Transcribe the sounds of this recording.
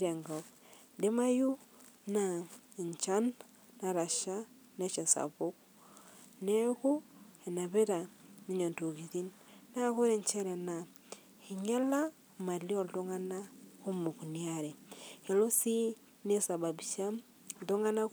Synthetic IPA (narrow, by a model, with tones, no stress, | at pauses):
ɾe˨ŋɡɔ˨k | de˦ma˦ju˦ | na˨ɲt͡ʃa˦n | na˨ɾa˨ʃa˦ | ne˦t͡ʃɛ˨sa̰˨βo˦k | nɛ˦ku˦e˨na˨βe˦ɾa˨ni˦ɲo˨nto˨ɣi˨ði˦nna˦ko˦ɾe˨ɲt͡ʃɛ˦ɾɛ˨na˨ | hi˨ɲɛ˦la˦ | ma˨li˦ɔ˦˨ldo˦ŋa˦na˦ku˦mu˨ku˨ni˦a˦˨ɾɛ˨he˨lo˦si˦ | ne˦sa˨ba˨bi˨ʃa˦m˨ | do˦ŋɡa˦na˦